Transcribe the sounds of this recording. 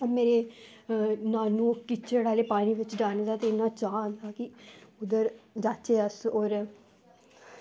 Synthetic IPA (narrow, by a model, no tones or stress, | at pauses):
omeːɾeː | nãːnũːkɪt͡ʃʰəɽaːleːpaːɽ̃iːʋɪt͡ʃɖaːnd̪aːt̪eːɪnːãːt͡ʃaːnd̪aːkɪʊd̪əɾd͡ʒaːt͡ʃeːəsoːɾ